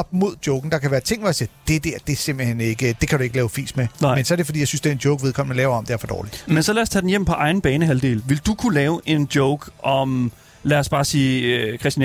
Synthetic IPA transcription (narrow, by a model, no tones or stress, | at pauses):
ɒ̽b̥mo̝ð̞̰ˠd̥jɔʊɡ̥n̩d̥ɑ̈kʰæʋæːɐt͡sʰe̝ŋ̰ʋɒjsiːɐd̥e̝d̥æɐ̰d̥e̝se̝m̰b̥l̩hene̝ɡ̥əd̥e̝kʰæɾ̥ue̝ɡəlɛːʊfḭːsmemensɒæɐɾe̝fɒdḭjɑsynsd̥eɐendjoʊɡ̥ʋe̝ð̞ˠkʰɒ̽mnəlɛːʊɐɒ̽md̥eæɐfɒd̥ɒ̰ːlid̥mensɒlæɐst͡sʰɛd̥en̩jem̰pʰɒ̽ʔɑ̈ɪn̩b̥ɛːnəɦæld̥e̝̰ːlʋe̝ld̥ukʰulɛːʊʔe̝nd̥jɔʊɡ̥ʔɒ̽m | læɐsb̥ɑ̈ːsiːkʰʁɛsd̥in